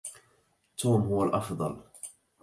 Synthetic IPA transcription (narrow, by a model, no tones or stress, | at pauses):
t̪ʰːuːmɦʊwalʔɑfd̪ˤɑ̰l